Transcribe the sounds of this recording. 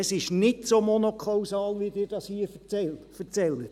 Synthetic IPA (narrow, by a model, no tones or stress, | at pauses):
ɛsɪʃnɪtsomonokʰɑwsɑːlʋidɪːɾd̥ɑshiəfɛlfəɾt͡sɛlːət